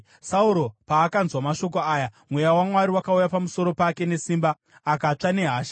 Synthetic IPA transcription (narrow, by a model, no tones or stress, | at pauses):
sauɾo̞paːkanzwamaʃo̞k̬o̞aːjamwejawamwaɾiwakaujapamuso̞ɾo̞pake̞ne̞siːmbaː | kat͡ʂane̞ɦaːʃa